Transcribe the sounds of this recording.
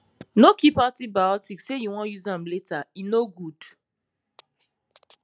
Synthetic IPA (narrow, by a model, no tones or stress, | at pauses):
nokipatibajɔtiksejuwɔ̃njuzãmletainoɡud̥